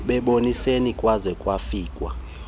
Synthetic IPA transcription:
ɓɛɓonisenikʼwazɛkʼwafiːkʼwa̰

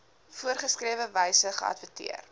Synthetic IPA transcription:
fuərχəskriəvəvəjsəχə̰ɐ̰tvətḭər

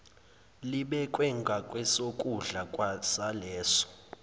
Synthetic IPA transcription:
liɓɛkʼwɛŋɡʱakʼwɛsokʼuɮakʼwasalɛːsɔ̥

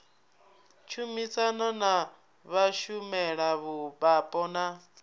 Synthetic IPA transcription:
t͡ʃʰumit͡sʼanɔna | βaʃumɛɺaβubapʼɔna

